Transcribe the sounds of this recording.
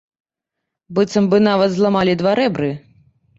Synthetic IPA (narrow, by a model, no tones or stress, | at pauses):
bɨt̪sɐmbɨnavɐt̪zlˠamalʲid̪vaɾɛbɾɨ